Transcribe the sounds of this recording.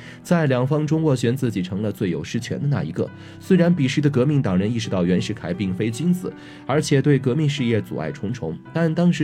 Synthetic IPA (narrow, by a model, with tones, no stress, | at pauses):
t͡sa˥˩ɪljɑ˨˩ŋfɑ˥ŋʈ͡ʂʊ˥ŋwɔ˥˩ɕɥɛ˧˥nt͡sɹ̩˥˩t͡ɕi˨˩ʈ͡ʂʰɤ˧˥ŋlə˧t͡swe˥˩ɪjo˨˩ʊʂɻ̩˥t͡ɕʰɥɛ̰˧˥nd̪ə˧na̰˥˩i˧˥ɡə̰˧ | swe˥ɪɻa˧˥npi˨˩ʂɻ̩˥˩d̪ə˩kɤ˧˥mi˥˩ŋt̪ɑ˨˩ŋɻə˧˥ni˥˩ʂɻ̩˧˥t̪ɑ˥˩ʊɥɛ˧˥nʂɻ̩˥˩kʰa˨˩ɪpi˥˩ŋfe˥ɪt͡ɕi˥nt͡sɹ̩˨˩˦ | ə˞˧˥t͡ɕʰjɛ˨˩t̪we˥˩ɪkɤ˧˥mi˥˧ŋʂɻ̩˥˧jɛ˥˩t͡sṵ˨˩a̰˥˩ɪʈ͡ʂʰʊ˧˥ŋʈ͡ʂʰʊ˧˥ŋt̪a˥˩nt̪ɑ˥ŋʂɻ̩˧˥